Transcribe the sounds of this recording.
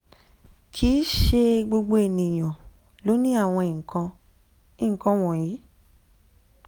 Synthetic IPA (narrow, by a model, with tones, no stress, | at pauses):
kʰi˨˦ʃe˧ɡ͡bo˧ɡ͡bo˧e˨nĩ˨j̃ã˨ | lo˨˦nĩ˦a˦˨w̃ɔ̃˧i˨kã˧ | i˦˨ŋ̩˨kã˧w̃ɔ̃˨jiː˨˦